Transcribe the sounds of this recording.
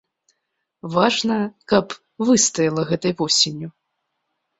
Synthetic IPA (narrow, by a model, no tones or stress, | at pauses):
vaʐnɐkɐp | vɨst̪ɐjilˠɐɣɛt̪ɐjvɔsʲenʲːu